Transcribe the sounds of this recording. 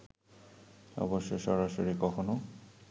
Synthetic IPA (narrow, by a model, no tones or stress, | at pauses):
ɔ̰bɔsːɔsɔɹasɔɹikɔkʰɔnʊ